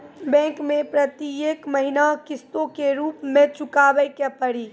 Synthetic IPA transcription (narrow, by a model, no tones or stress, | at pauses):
bɛ̃ːŋkmẽpɾət̪ieːkməɦinakɪst̪õkeɾuːpmẽt͡ʃʊkaːʋəjkepəɽiː